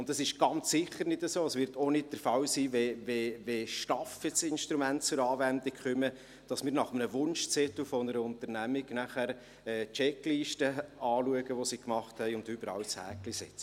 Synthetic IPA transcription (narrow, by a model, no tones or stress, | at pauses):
ʊndɑsɪʃɡ̥ɑnt͡sːɪχːəɾnɪdəsoːəsʋɪɾtʰonɪt̚d̥əɾfɑwsiːveʋeʋeʃtɑfɛt͡sɪnʃtɾumæntt͡sʊɾɑːvændɪkχʏmə | d̥ɑsmɪːɾnɑχəmənəʋʊnʃt͡sɛt̪lfɔnəɾəʊnt̪əɾnæmɪɡnæχæɾ | ɛːt͡ʃɛkliːʃtəɑːluəɡəʋosiːkmɑχthɛɪʊntʏbəɾɑ̰wshæ̰ːklisɛt͡sə̥